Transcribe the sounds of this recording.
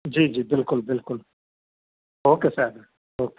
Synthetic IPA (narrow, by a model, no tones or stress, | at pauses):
d͡ʒiːd͡ʒiːbɪlkʊlbɪlkʊl | ɦoːkesaɦd̪a | ɦoːke